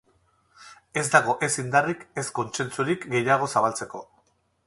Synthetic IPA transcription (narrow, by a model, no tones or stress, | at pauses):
e̞zd̪aɣ̞o̞ʔe̞sind̪arike̞sko̞nt͡se̞nt͡suɾikɡe̞jaɣ̞o̞saβ̞alt͡se̞ko̞